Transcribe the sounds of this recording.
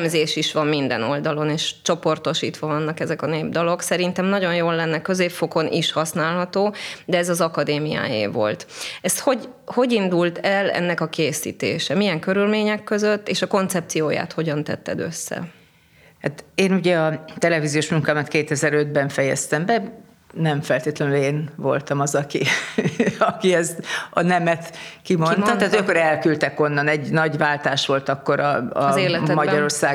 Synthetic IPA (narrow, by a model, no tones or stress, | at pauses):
mzeːʃiʃʋɒmmind̪ɛ̰no̞ld̪ɒlo̞neːʃt͡ʃo̞po̞rt̪o̞ʃiːt̪ʋɒvɒnːɒkɛzɛkɒneːbd̪ɒlo̞ksɛɾint̪ɛmnɒɟo̞njoːlːɛnːɛkːø̞zeːpfo̞ko̞nʔiʃhɒsnaːlɦɒt̪oːd̪ɛɛzɒzɒkɒd̪eːmija̰ːjḛːvo̞̰lt̪ɛst̪ho̞ɟ | ho̞ɟind̪ult̪ʰɛlɛ̰nːɛkɒkeːsḭːt̪ḛːʃɛmijɛŋkø̞ɾylmeːɲɛkːø̞zøt̪ːeːʃɒko̞nt̪sɛp̚t̪sijoːja̰ːt̪ho̞ɟɒnt̪ɛ̰t̪ːɛ̰d̪ø̞̰sːɛ̰ | hat̪eːnuɟɛɒt̪ɛlɛvizijoːʃmuŋkaːmɛt̪keːt̪ɛzɛɾø̞d̪̚bɛɱfɛjɛ̰st̪ɛmbɛ | nɛɱfɛlt̪eːt̪lɛnyleːnvo̞̰lt̪ɒmɒzɒki | ɒkiɛst̪ɒnɛmɛt̪kimo̞nnt̪ɒat̪yɒkːoɾɛlkylt̪ɛko̞nːɒnɛɟnɒɟʋaːlt̪aːʃʋo̞lt̪ɒkːo̞ɾɒɒzeːlɛmɒɟɒɾo̞rsaː